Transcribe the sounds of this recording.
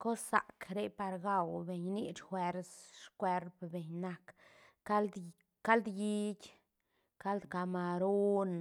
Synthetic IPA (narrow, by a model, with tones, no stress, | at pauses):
ko˦sːa˨kɾe˧˦pa˧ɾɡa˧wbe˨ɲni˦˧t͡ʃxwe˧ɾsʃkwe˧ɾpbe˨ɲna˧k | a˦ld̪ | ka˦ld̪ji˦˧kʲ | ka˦ld̪ka˧ma˧ɾo˦n